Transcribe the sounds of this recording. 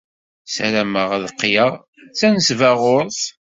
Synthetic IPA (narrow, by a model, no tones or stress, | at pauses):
sæɾæməʁæðqːjəʁ | t͡sːænəsvæʁʊɾθ